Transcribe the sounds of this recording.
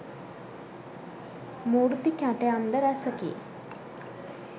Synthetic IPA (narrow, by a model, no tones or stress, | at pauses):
muːɾt̪ikaʈeamd̪əɾæsəkḛ